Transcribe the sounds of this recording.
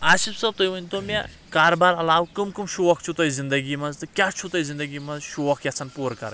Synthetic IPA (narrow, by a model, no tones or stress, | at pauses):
asibsɐb̚t̪ojʋənʲt̪omʲa̰ | kaːɾbaɾɐlaːwkɨmkɨmʃuʋɐk̚ʰt͡ʃʰut̪ɐjzind̪ɐɡimɐzt̪ɨkʲat͡ʃʰut̪ɐjzind̪ɐɡimɐzʃuʋɐkʰjat͡sʰɐnpuɾkɐ̰ɾ